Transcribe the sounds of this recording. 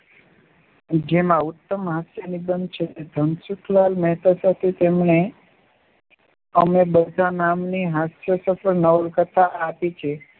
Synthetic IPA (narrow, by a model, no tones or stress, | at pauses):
d͡ʒemãʊt̪ːəmɦasjənibənd̪̚t͡ʃʰet̪ed̪ʱənsukʰlalmɛɦt̪asat̪ʰet̪emɳe | əmebəd̪ʱanamniɦasjəsəfəɾnəʋəlkət̪ʰaːpit͡ʃʰe